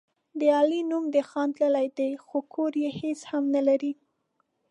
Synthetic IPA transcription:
d̪əɑlinumd̪əxɑnt̪lalajd̪ajxokʰoɾjeheshamnalaɾi

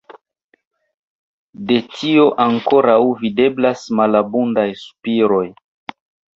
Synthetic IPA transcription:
de̞tʰio̞ʔaŋko̞ɾawvide̞blasmalabundajsu̥piɾo̞j

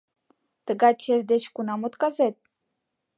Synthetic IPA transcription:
t̪əɡɑt͡ʃezd̪et͡ɕkunɑmot̪kɑzet̪̚

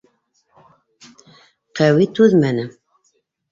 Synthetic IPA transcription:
qʰɛwit̪ʰuðmænɨ

